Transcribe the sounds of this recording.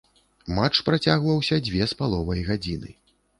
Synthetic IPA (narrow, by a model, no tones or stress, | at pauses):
mat͡ʂpɾat͡sʲaɣvɐwsʲɐd͡zʲvʲɛspalˠɔvɐjɣad͡zʲinɨ